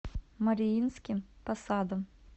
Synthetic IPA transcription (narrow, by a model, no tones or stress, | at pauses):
mɐɾʲɪjinʲsʲkʲɪmpɐsɑːd̪ɔm